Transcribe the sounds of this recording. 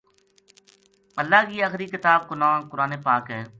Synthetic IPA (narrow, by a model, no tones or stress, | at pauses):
əlːaːkiːaːxɾiːkɪt̪aːb̚kʊnaːnkʊɾaːneːpaːkɦɛː